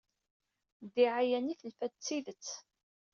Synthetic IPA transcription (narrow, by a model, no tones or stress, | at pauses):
d̪iʕajæniθəlfæt͡sːiðət͡sː